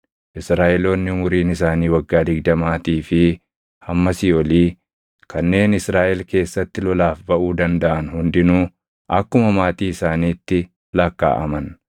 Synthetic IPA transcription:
ʔɪsɾaːʔɛlo̞ːnːɪʊmʊɾiːnɪsaːniːwɐɡːaːd̪ɪɡd̪ɐmaːt̪iːfɪ | hɐmːɐsɪɔliː | kɐnːe̞ːnɪsɾaːʔɛlke̞ːsːɐt̪ːɪlɔlaːfbɐʔuːd̪ɐnd̪ɐʔɐnhʊnd̪ɪnuː | ʔɐkːʊmɐmaːt̪iːɪsaːniːt̪ːɪ | lɐkːa̰ːʔɐ̰mɐn

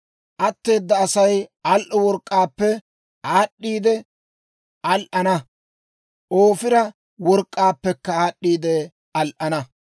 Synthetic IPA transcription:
ʔɐt̪ːe̞ːd̪ːɐːsɐjɐlʔɔwɔɾkʼːaːpːɛ | ʔaːɗːiːd̪ɛ | ʔɐlʔɐnɐ | ʔoːfɪɾɐ | wɔɾkʼːaːpːɛkːɐaːɗːiːd̪ɛ | ɐlʔɐnɐ

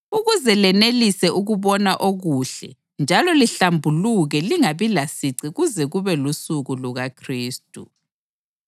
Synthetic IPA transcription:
uɣuzɛlɛnelisɛʔuɣuβɔnaʔoɣuːɬɛ̰ | nd͡ʒʱalɔliɬambʱuluɣɛliŋaβilasiǀiɣuzɛɣuβɛlusuɣuluɣakʰriːstʼṵ

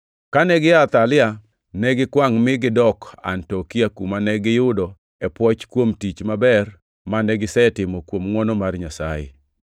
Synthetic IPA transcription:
kanɛɡɪat̪alɪa | nɛɡɪkwaŋmɪɡɪdɔka̰ntɔkiakumanɛɡɪjʊdɔ | ɛpwɔt͡ʃkwomtit͡ʃmabɛr | manɛɡɪsɛtɪmɔkwomŋwɔnɔmarɲasa̰jɪ̰

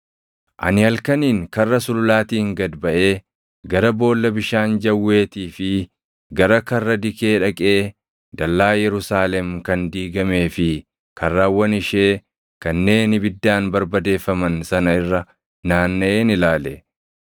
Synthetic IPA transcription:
ʔɐ̰nɪhɐlkɐniːŋkɐrːɐsʊlʊlaːt̪iːŋɡɐd̪bɐʔe̞ː | ɡɐɾɐbo̞ːlːɐbɪʃaːnd͡ʒɐwːe̞ːt̪iːfɪ | ɡɐɾɐkɐrːɐd̪ɪke̞ːᶑɐkʼe̞ː | d̪ɐlːaːjɛɾʊsaːlɛmkɐnd̪iːɡɐme̞ːfɪ | kɐrːaːwːɐnɪʃe̞ː | kɐnːe̞ːnɪbɪd̪ːaːnbɐɾbɐd̪e̞ːfːɐmɐnsɐnɐɪrːɐ | naːnːɐʔeːnɪlaːlɛ

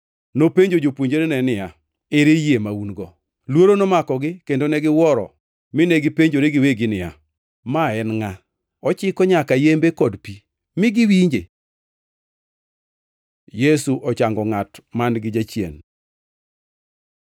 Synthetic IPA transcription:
nopeɲd͡ʒod͡ʒopwoɲd͡ʒeɾenɛnɪja | eɾejemaunɡɔ | lwoɾonomakɔɡɪkendonɛɡɪwɔɾɔ̰ | mɪnɛɡɪpeɲd͡ʒoɾeɡɪweɡɪnɪja̰ | maɛnŋa | ɔt͡ʃɪkɔɲakajembekɔdpi | mɪɡɪwiɲd͡ʒe | jesuʔɔt͡ʃaŋɡɔŋatmanɡɪd͡ʒat͡ʃjḛn

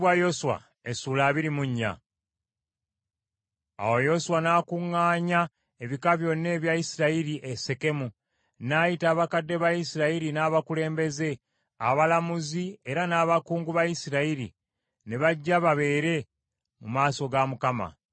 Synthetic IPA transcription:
wajosuwa̰ | esuːlaːβiɾimuɲːa̰ | a̰wo̞jo̞suwanaːkuŋːaːɲa | e̞βikaβjo̞nːe̞ːβjajisiɾaiɾiʔese̞ke̞mu | najitaːβakadːe̞βajisiɾaiɾinaːβakule̞ːmbe̞ze̞ | a̰βalamuzie̞ɾanaːβakuːŋɡuβajisiɾaiɾḭ | neβaɟːaβaβe̞ːɾe̞ | mumaːso̞ɡamukama̰

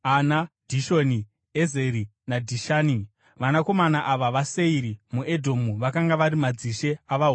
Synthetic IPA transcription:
anad̥ʱiʃo̞ni | eze̞ɾi | nadʱiʃaːni | ʋanako̞manaʔaʋaʋase̞iɾimuʔedʱo̞muʋakaŋɡaʋaɾimad͡ziʃe̞aʋaɦ

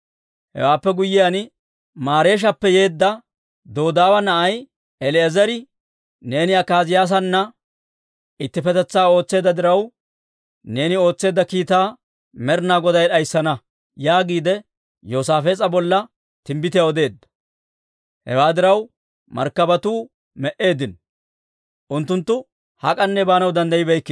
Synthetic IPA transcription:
hɛ̰waːpːɛɡʊjːɪjan | maːɾe̞ːʃ̬ɐpːɛje̞ːd̪ːɐ | d̪o̞ːd̪aːwɐnɐʔɐj | ɛlɛɛzɐɾɪ | ne̞ːnɪɐkːaːzɪjaːs̬ɐnːɐ | ɪt̪ːɪfɛt̪ɛt͡sːaːo̞ːt͡sːe̞ːd̪ɐd̪ɪɾɐw | ne̞ːnɪo̞ːt͡sːe̞ːd̪ːɐkiːt̪aː | mɛɾnaːɡɔd̪ɐjɗɐjsːɐnɐ | jaːɡiːd̪ɛ | jo̞ːsaːfe̞ːt͡sʼɐbɔlːɐ | t̪ɪmbɪt̪ɪjaɔd̪e̞ːd̪ːɐ̥ | hɛ̰waːd̪ɪɾɐw | mɐ̰ɾkːɐbɐt̪uː | mɛʔe̞ːd̪ɪn | ʔʊnt̪ːʊnt̪ːʊ | hɐ̰kʼɐnːɛbaːnɐwd̪ɐnd̪ɐjɪbɛjkːɪ

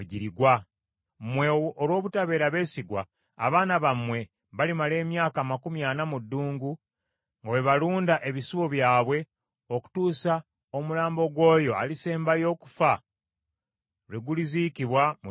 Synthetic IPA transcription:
ɟiɾiɡwa | mwe̞olwo̞ːβutaβe̞ːɾaβe̞ːsiɡwa̰ː | βaːnaβamwe̞ | βalimale̞ːmjaːkamakumjanamudːuːŋɡu | ŋɡawe̞βaluːndaʔe̞βisuβo̞βjaːβwe̞ | o̞ku̥tuːsa | o̞mulaːmbo̞ɡwo̞ːjo̞a̰liseːmbajo̞ːku̥fa | ɾeɡulizikiβwamu

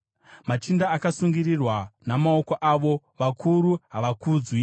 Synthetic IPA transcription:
mat͡ʃindaːkasuŋɡirirwanamao̞koʔaʋo̞ | ʋakʰuɾuɦaʋakuːd͡zwi

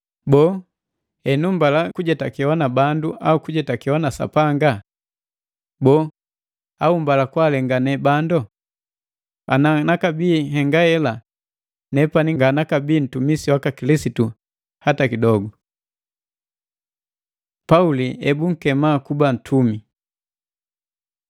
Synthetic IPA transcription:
bɔː | ɛnumbalakuɟɛtakiwanabanduʔaukuɟɛtakiwanasa̰paŋɡa | bɔː | aumbalakwalɛŋɡanɛbandɔ | a̰nanakabiːhɛŋɡahɛla | nɛpaniŋɡanakabiːn̩tumisiwakakilisitu | hatakidɔɡu | pauliɛbuŋ̩kɛmaːkuban̩tʰumi

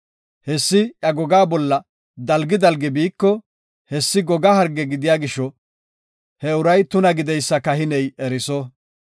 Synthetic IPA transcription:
hɛsːɪʔjɐɡɔɡaːbɔlːɐ | d̪ɐlɡɪd̪ɐlɡɛbiːkːɔ | hɛsːɪɡɔɡahɐɾɡːɛɡɪd̪ɪjaːɡɪʃːɔ | hɛʊɾɐjt̪ʊnɐɡɪd̪ɛjsːɐkɐhɪnɛjɛɾɪsɔ

